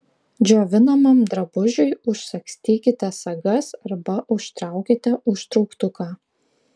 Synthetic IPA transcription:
d͡ʒʲoːʋʲɪnɐmɐmd̪ɾɐbʊʒʲʊjʊʃʲsʲɐksʲt̪ʲiːkʲɪt̪ʲɛsɐɡɐsɐɾbɐʔʊʃt̪ɾɑˑʊkʲɪt̪ʲɛʔʊʃt̪ɾɔʊkt̪ʊkɑː

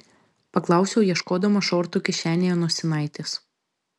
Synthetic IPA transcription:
pɐklˠɐˑʊsʲɛʊjiɛʃkoːd̪ɐmɐʃɔːɾt̪uːˑkʲɪʃʲæːnʲejoːnuɔsʲɪnɐɪt̪ʲes

